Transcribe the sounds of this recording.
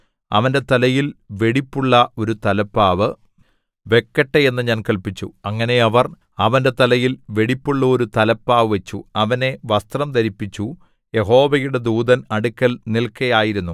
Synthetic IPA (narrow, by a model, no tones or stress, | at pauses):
ɐ̰ʋɐnde̞t̪ɐlɐjilʋe̞ɽipːuɭːɐo̞ɾut̪ɐlɐpːaːʋɨ | ʋe̞kːɐʈːee̞nːɨɲaːnkɐlpit͡ɕːṵɐŋːɐne̞ɐʋɐr | ɐʋɐnde̞t̪ɐlɐjilʋe̞ɽipːuɭːɐo̞ɾut̪ɐlɐpːaːʋɨʋɐt͡ɕːuɐʋɐne̞ʋɐst̪rɐmt̪ɐɾipːit͡ɕːu | je̞ɦo̞ːʋɐjuɽe̞d̪uːd̪ɐnɐɽukːɐlnilkːɐjaːjiɾunːu